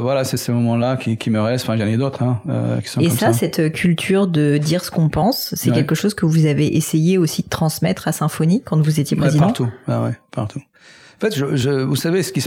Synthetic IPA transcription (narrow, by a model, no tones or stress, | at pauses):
vwalasɛsemɔmɑ̃lakʲikʲiməʁɛst̪ɑ̃fɛ̃ʒɑ̃ned̪ot̪χɛ̃ø̰kʲi̥sɔ̃ekɔmssasɛt̪kʲʰylt̪ʰyʁd̪əd̪iʁsə̥kɔ̃pɑ̃sːɛkʲɛlkəʃozkəvuzaveʔesejeosid̪̥ət̪χɑ̃smɛt̪χasɛ̃fɔnikɑ̃t̪vuzet̪jepχezidp̪aɑʁ̃t̪ubawɛ̰paʁt̪ʰu | ɑ̃fɛt̪ʒəʒəvusavesə̥kis